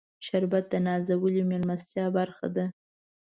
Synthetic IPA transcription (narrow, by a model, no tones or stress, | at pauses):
ʃaɾbat̪̚d̪ənɑzawəlimelmast̪jɑbaɾxa̰d̪a